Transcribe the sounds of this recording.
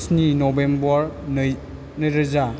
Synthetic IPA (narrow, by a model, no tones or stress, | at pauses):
sninɔbembɔɾn | nəjɾɐza